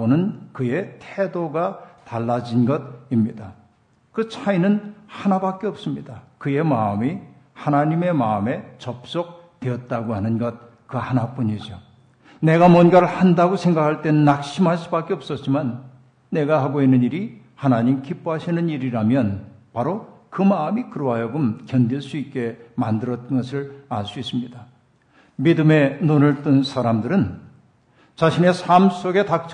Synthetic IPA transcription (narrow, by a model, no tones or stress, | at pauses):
onɯnkɯje̞tʰedoɡataɭːad͡ʑinɡʌt̚imɲida | kɯt͡ɕʰainɯnhanabak͈eʌp̚s͈ɯmɲidakɯje̞maɯmi | hanaɲime̞maɯme̞t͡ɕʌp̚s͈ʌk̚ | tweʌt̚t͈aɡohanɯnɡʌt̚ | kɯhanap͈uɲid͡ʑo | ne̞ɡamʌnɡʌɾɯɭhandaɡosʰe̞ŋɡakʰaɭt͈e̞nɯnːak̚ɕʰimɦaɭs͈ubak͈e̞ʌp̚s͈ʌt̚t͡ɕ͈imanː | e̞ɡaɦaɡoinːɯɲiɾi | hanaɲimkip͈oɦaɕʰinɯniɾiɾamjʌnpaɾokɯmamikɯɾoɦajʌɡɯmkjʌndiɭs͈uit̚k͈e̞mandɯɾʌt͈̚ʌnɡʌsʰɯɭaɭs͈uis͈ɯmɲida | midɯme̞nonɯɭt͈ɯnsʰaɾamdɯɾɯn | t͡ɕaɕʰine̞sʰams͈oɡe̞tak̚t͡ɕʰ